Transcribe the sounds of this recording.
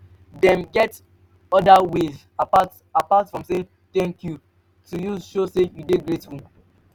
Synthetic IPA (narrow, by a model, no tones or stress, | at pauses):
dɛ̃mɡɛt | ɔdawez | apat | apatfɹɔ̃mse | t̪ɛ̃ŋkju | tujuʃosejudeɡɹetwũ